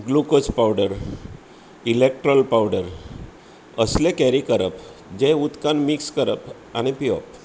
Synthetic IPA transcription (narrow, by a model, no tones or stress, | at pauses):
ɡlukospawɖəɾ | ilek̚ʈɾɔlpawɖəɾ | əslẽkɛɾikəɾəpd͡ʑẽut̪kanmikskəɾə̰p | añipiɔ̰p̚